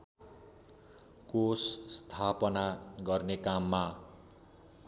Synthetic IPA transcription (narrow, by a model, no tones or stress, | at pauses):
kosst̪ʰapʌnaɡʌrnekamːa